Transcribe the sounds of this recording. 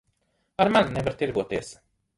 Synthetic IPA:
aɾmannɛvaɾt̪iɾɡuɔt̪iɛs

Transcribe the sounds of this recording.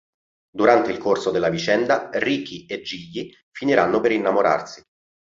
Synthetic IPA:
d̪uɾant̪eilkorsod̪elːavit͡ʃɛnd̪arikied͡ʒːiʎːi | finiɾanːopeɾinːamoɾa̰rsi̥

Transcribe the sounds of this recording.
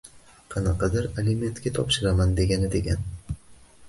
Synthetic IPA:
qʰɑnɑqʰɑd̪ɪɾelɪme̞nt̪kʲat̪ʰɒpʃɪɾamand̪e̞ɡʲanɪd̪e̞ɡʲan

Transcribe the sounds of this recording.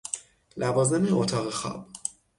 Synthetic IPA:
lʔævɒːze̞meʔot̪ʰɒːɣexɒ̰ːb̥̚

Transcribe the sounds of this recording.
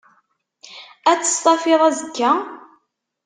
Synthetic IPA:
æt͡sːə̥st̪ˤɑfɪðˤæzəkːæ

